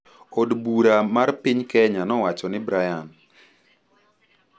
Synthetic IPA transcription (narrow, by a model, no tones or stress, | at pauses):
odbuɾamarpɪɲkɛɲanɔwat͡ʃɔnɪbɾajan